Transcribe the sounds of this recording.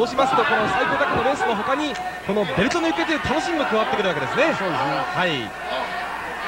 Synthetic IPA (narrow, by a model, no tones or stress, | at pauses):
oːɕimasɨ̥t̪o̞ko̞no̞saik̪o̞ːd̪akɯnoɾẽ̞ɰ̃sɨmoɦo̞kaɲ̟i | ko̞no̞be̞ɾɯ̟t̪onoɯ̟ke̞t̪eɯ̟t̪ʰano̞ɕimʲimokɯ̟βat̪ːekɯɾɯβake̞d̪e̞sɨne̞soːd̪esnehai